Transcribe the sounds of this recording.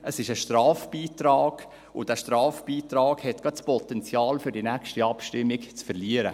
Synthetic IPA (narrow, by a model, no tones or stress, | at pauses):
əsɪʃəʃtɾɑːfb̥iːtɾɑːɡ̥ | ʊdæːʃtɾɑːfb̥iːtɾɑːɡhɛtɡ̥ɑtspɔtɛnt͡sjɑːlfʏɾdinækʃtiɑpʃtɪmːɪkt͡sfɛɾliəɾə